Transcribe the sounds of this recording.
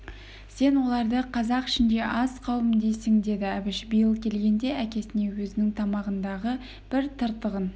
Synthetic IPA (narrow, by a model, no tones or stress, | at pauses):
se̞nwo̞lˠɑɾd̪əqʰɑzɑqɪ̥ʃɪnd̪e̞ʔɑsqʰɑwəmd̪ejsɪŋd̪e̞d̪ɪæbɪʃbijəlˠkʲʰe̞lɡʲe̞nd̪e̞ækʲe̞sɪne̞wɵzɪnɪŋt̪ʰɑmɑʁənd̪ɑʁə | b̥ɪɾt̪ʰəɾt̪əʁən